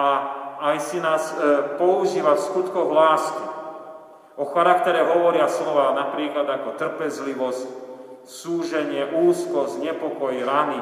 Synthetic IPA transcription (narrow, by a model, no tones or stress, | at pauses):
aajsinaːspɔuʒiːʋafskut̪kɔɣlaːski | ʔɔxaɾakt̪ɛɾɛɦɔʋɔɾɪaslɔʋaːnapɾiːklad̪akɔt̪r̩pɛzliʋɔsc | suːʒɛɲɪɛʔuːskɔzɲɛpɔkɔjiɾani